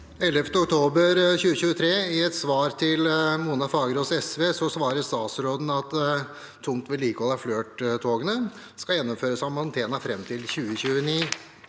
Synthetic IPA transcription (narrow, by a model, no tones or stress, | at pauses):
ɛlːəft̪əɔkt̪ʰoːbəɾçʉːəçʉːət̪ʰɾeːɪɛt̪sʋɑːɾt̪ʰɪlmuːnɑfɑːɡəɾɔsɛsʋeːsɔsʋɑːɾəst̪ɑːt̪sɾoːd̪n̩ɑt̪ʰː | ʊŋt̪ʋɛliːkɔlɑfløːʈt̪ʰoːɡənə | skɑjɛnːɔmføːɾəsɑmɑnt̪ʰeːnɑfɾɛmt̪ʰɪlçʉːəɕʉːəniː